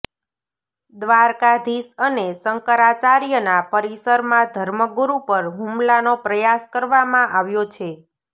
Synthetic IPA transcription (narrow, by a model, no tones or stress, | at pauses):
d̪ʋaɾkad̪ʱisənesəŋkəɾat͡ʃaɾijənapəɾisəɾmãd̪ʱəɾməɡuɾupəɾɦũmlanopɾəjaskəɾʋamãʔaʋjot͡ʃʰe